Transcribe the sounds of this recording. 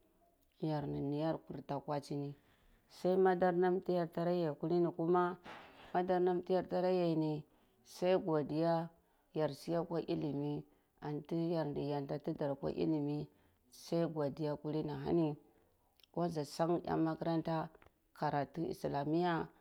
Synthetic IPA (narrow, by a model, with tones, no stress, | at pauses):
ja˨ɾni˨ni˨ja˦ɾku˨ɾta˨kwa˦t͡ʃi˦ni˨ | sa˦i˦ma˦da˦ɾna˦mti˦ja˦ɾta˦ɾa˦ja˨ku˦li˦ni˨ku˦ma˦ma˦da˦ɾna˦m˦ti˦ja˦ɾta˦ɾa˦ja˨ni˨ | sa˦i˦ɡʷa˨di˦ja˦ | ja˨ɾsi˦ja˦kʷa˦ʔi˦li˨mi˦ | a˨nti˦ja˨ɾndi˨ja˨nta˨ti˦da˨ɾkʷa̰˦ʔḭ˦li˨mi˦ | sa˦i˦ɡʷa˨di˨ja˦ku˦li˦na˨ɦa̰˦ni˦ | ka˦za˨sa˦ŋ˦ja̰˦ma˦ki˦ɾa˦nta˦ | ka˨ɾa˨ti˦ḭ˨sla˨mi˦ja˦